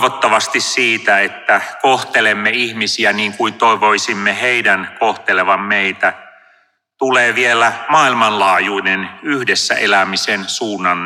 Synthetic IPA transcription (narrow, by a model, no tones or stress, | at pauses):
ʋot̪ːɑʋɑst̪issiːt̪æet̪ːækoht̪elemːeihmisiæniːŋkuint̪oeʋoisimːeheidænkoht̪eleʋɑmmeit̪æ | t̪uleːʋielæmɑːilmɑnlɑːjuinenyhdesːæ̰ʔelæmisensuːnːɑn